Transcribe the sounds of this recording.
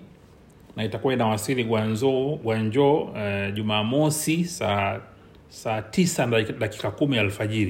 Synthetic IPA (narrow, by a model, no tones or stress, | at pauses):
naitakuwainawasiɾiɡwaɲzɔɡwaɲd͡ʒɔʄumaːmɔsisa | saːtisaɗaki̥kakumiaɛlfaʄiɾi